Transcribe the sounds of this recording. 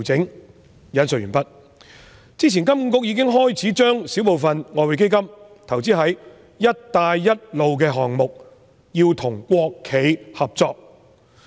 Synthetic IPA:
t͡sɪ˨˥ŋ | jɐ˨˥nsɵ˨t̚ɥyː˨˩npɐ˥t̚ | t͡siː˥t͡sʰiː˨nkɐ˥m̩˨˥kʊ˥k̚jiː˧kɪ˥ŋɦɔː˥jt͡sʰiː˨˥t͡ʃœː˥ŋsiː˨˥wpo˨wfɐ˨nŋɔː˧we˨˧jk̬e˥jkɐ˥m | t̪ʰɐ˨˩wt͡siː˥ɦɐ˨˥jː | ɐ˥t̚t̪aː˧jːɐ˥t̚lo˨wk̬ɛː˧ɦɔː˨ŋmʊ˨k̚ | jiː˧wt̪ʰʊ˨˩ŋkʷɔː˧kʰːe˨˧jhɐ˨p̚t͡sɔː˧k̚

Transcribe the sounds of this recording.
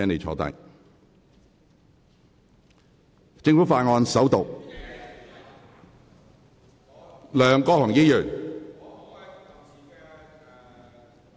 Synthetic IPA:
ɛː˥ne˨jt͡ʃʰɔ̰ː˧t̪a̰ː˧˩ | t͡sɪ˧ŋfu˨˥faː˧˩ŋɔː˧nsɐ˨˥wt̪o˨˩w | lœː˨ŋkɔː˥hɔː˨˩ŋji˥jœː˨˩ŋ

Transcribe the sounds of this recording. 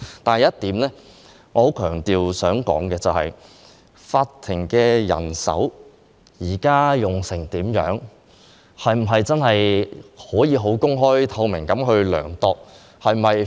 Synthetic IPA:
t̪aː˨n˨jɐ˥tt̪iː˨˥mlɛː˥ | ŋɔː˨˧ho˨˥wkʰœː˨˩ŋt̪iː˨wsœː˨˥ŋkɔ̰ː˨˥ŋkɛː˧t͡sɐ˨whɐ̰˨j | faː˧tt̪ʰːɪ˨˩ŋkɛː˧jɐ̰˨˩nsɐ̰˨˥w | jiː˨˩kaː˥jʊ˨ŋsɪ˨˩ŋt̪iː˨˥mjœ̰ː˨˥ŋ | hɐ˨jm̩˨˩ɦɐ˨jt͡sɐ˥nhɐ˨jhɔː˨˥jiː˨˧ɦo˨˥wkʊ˥ŋɦɔː˥jt̪ʰɐ˧wmɪ˨˩ŋkɐ˨˥mɦɵ˧ɥlœ̰ː˨˩ŋt̪ɔː˨k̚ | hɐ˨jmɐ˨j

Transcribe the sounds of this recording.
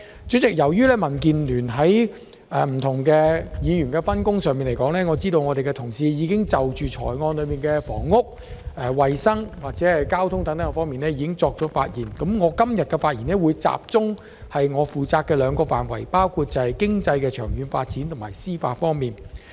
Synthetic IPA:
t͡ʃyː˨˥t͡sɪ˨k̚jɐ˨˩wjyː˥lɛː˥mɐ˨˩nk̬iː˨nlyː˨˩nɦɐ˨˥j | ʔɛː˨m̩˨˩t̪ʰʊ˨˩ŋkɛː˧jiː˨˧jyː˨˩nkɛː˧fɐ˥nkʊ˥ŋsœː˨ŋmiː˨nle˨˩jkɔː˨˥ŋlɛː˥ŋɔː˨˧t͡siː˥d̪o˧wŋɔː˨˧de˨jkɛ˧t̪ʰʊ˨˩ŋsiː˧jiː˨˧kɪ˥ŋt͡sɐ˨wt͡ʃyː˨t͡ʃʰɔ̰ː˨˩jŋɔː˧nlɵ˨˧ɥmiː˨nkɛː˧fɔ̰ː˨˩ŋːʊ˥k̚ | ʔɛ˨˧wɐ˨jsɐ˥ŋwaː˨˩k̚t͡sɛ˨˥hɐ˨jkaː˥wt̪ʰʊ˥ŋt̪ɐ˨˥ŋt̪ɐ˨˥ŋkɛ˧fɔː˥ŋmiː˨nlɛ˥jiː˨˧kɪ˥ŋt͡sɔː˧k̚t͡sɔː˨˥fa̰ː˧t̚jiː˨˩nkɐ˨˥mŋɔː˨˧kɐ˥mjɐ˨t̚kɛ˧faː˧t̚jiː˨˩nɛː˥wu˨˧jt͡sa̰ː˧˨p̚t͡sʊ˥ŋ | hɐ˨jŋɔː˨˧fuː˨t͡saː˧kːɛː˧lœː˨˧ŋkɔː˧fa̰ː˨˩nwɐ̰˨˩jpaː˥wkʰuː˧t̚t͡sɐ˨˧hɐ˨˩jkɪ˥ŋt͡sɐ˧jkɛː˧t͡ʃʰœː˨˩ŋjyː˨˧nfa̰ː˧t̚t͡siː˨˥nt̪ʰʊ˨˩maː˨˩jsiː˥fa̰ː˧tfɔː˥ŋmiː˨˩n

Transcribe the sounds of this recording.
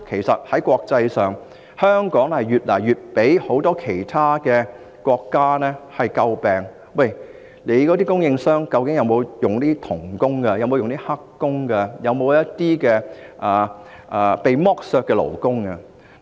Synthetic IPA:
kʰe˨˩jsɐ˨t̚hɐ˨˥jkʷɔː˧k̚t͡sɐ˧jsœː˨˩ŋ | hœː˥ŋkɔː˨˥ŋhɐ˨jɥyː˨t̚lɐː˨˩jɥyː˨t̚pe˨˥jho˨˥wt̪ɔː˥kʰe˨˩jt̪ʰaː˥kɛː˧ | kʷɔː˧kːaː˥nɛː˥hɐ˨jkɐ˧wpɛː˨˩ŋ | wa˨˩j | le˨˧jkɔː˨˥t̪iː˥kʊ˥ŋjɪ˧ŋsœː˥ŋkɐ˧wkɪ˨˥ŋjɐ˨˧wmo˨˧wjʊ˨ŋt̪iː˥t̪ʰʊ˨˩ŋkʊ˥ŋkɐ˧jɐ˧wmo˨˧wjʊ˨ŋt̪iː˥hɐ˥kːʊ˥ŋkɛ˧jɐ˨˧wmo˨˧wjɐ˥t̚t̪iː˥kɛː˧ʔɐː˨ | ʔːpe˨jmɔː˥k̚sœː˧kːɛː˧lo̰˨˩wkʊ˥ŋkɐ˧

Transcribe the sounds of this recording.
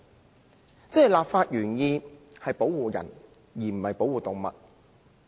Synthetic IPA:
t͡sɛː˥˨laː˨p̚faː˧t̚jyː˨˩njiː˧hɐ˨jpo˨˥wwuː˨˩jɐ̰˨˩n | jiː˨˩m̩˨˩hɐ˨jpo˨˥wuː˨˩t̪ʊ˨ŋmɐ̰˨t̚

